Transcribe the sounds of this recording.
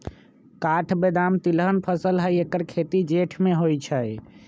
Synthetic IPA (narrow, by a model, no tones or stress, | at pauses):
kaʈʰbed̪amt̪ilɦənpʰəsəlɦəjekəɾkʰet̪id͡ʒeʈʰmeɦojt͡ʃʰəj